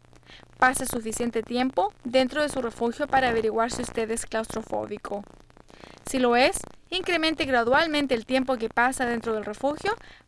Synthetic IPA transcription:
pasesufisjent̪et̪je̞mpo̞ðe̞nt̪ɾoðesure̞fuxjo̞paɾaːβeɾiɣwaɾseust̪eðesklawst̪ɾofo̰βikʰo | silo̞esiŋkɾe̞ment̪eɣɾaðwalmẽnt̪̬eːlt̪je̞mp̬o̞k̬epasaðe̞nt̪ɾoð̞e̞lre̞fuxjo

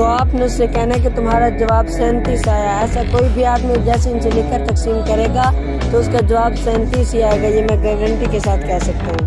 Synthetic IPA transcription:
t̪oaːpneʊsjekɛɦnaɛ̃k̬it̪ʊmɦaːɾad͡ʒɐʋaːbsɛ̃ːnt̪isaːjaɛːsakoːibʱiaːd̪mẽd͡ʒɛːseɪnselɪkəɾt̪ɐksiːmkɐɾeːɡaː | t̪oʊskad͡ʒɐʋaːbsɛ̃ːnt̪isɦiaːeːɡajemɛ̃ːpɾeːʋə̃ɳʈikesaːt̪ʰkɛɦsɐk̚t̪aɦũː

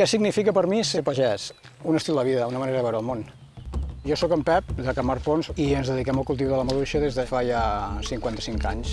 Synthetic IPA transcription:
kɛsiɡnifikəpəɾmiseɾpəʒɛsunəst̪ilˠd̪əβiðəunəməneɾəðəβɛwɾəlˠmon | ʒɔsɔkəmpɛp̚d̪əkəmaɾfonziənzðəðikɛməlˠkulˠt̪̬iuðələməðuʃəðezðəfajasiŋkwant̪əsiŋkaɲs

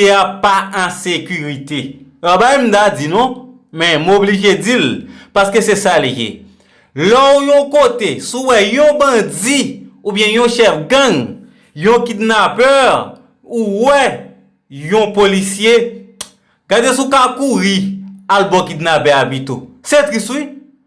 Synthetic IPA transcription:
eapaɛ̃sekyʁit̪eabajm̩tad͡zinɔ̃ | mɛ̃mobliʒed͡zilpaskesesaleʒḛ | lɔujɔ̃kotesuwɛjɔ̃bʌ̃d͡ziubjɛ̃jɔ̃ʃɛfɡãŋ | jɔ̃kidnapɛʁ | uwɛ | jɔ̃polisje | ɡadesukakuʁialbɔ̃kidnapɛabit̪oset̪ʁisui

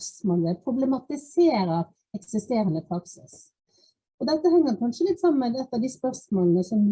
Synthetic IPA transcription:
smoːləpʰɾʊblɛmɑt̪ɪseːɾəɾ | ɛksɪst̪eːɾənəpʰɾɑksɪ̰s | ɔd̪ɛt̪ːəhɛŋːəɾkʰɑnʂəlɪt̪ːsɑməmɛd̪ɛt̪ːɑd̪ɪspœʁsmoːlənəsɔm

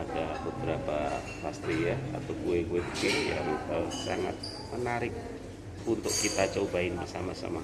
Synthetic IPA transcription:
adabəbəɾapa | past̪ijaa̰t̪awɡuekuepəkɪja̰mit̪asaŋa̰t̪̚ | mənaɾɪk̚ | unt̪ʊʔkit̪at͡ʃaubaɪnbəsamasa̰ma

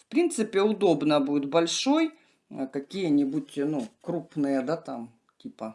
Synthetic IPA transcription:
fpɾʲint̪sɨpʲɪʊd̪o̞bnəbuɪt̪bɐlʲʂo̞j | kɐkʲijənʲɪbutʲnukɾupnɨjəd̪at̪am | tʲipə

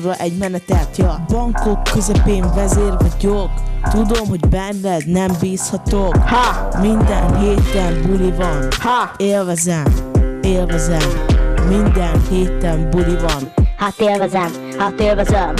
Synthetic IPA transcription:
rɒʔɛɟmɛnɛt̪ɛlt̪jɒbɒŋkokːøzɛpeːɱvɛzeːrvɒɟokt̪ud̪omɦo̞ɟbɛnːɛnɛmbiːshɒt̪okhɒmind̪ɛnɦeːt̪ɛmbulivɒnhɒeːlvɛzɛmeːlvɛzɛmːind̪ɛnheːt̪ɛmbulivɒnhat̪eːlvɛzɛm | hat̪eːlvɛzɛm

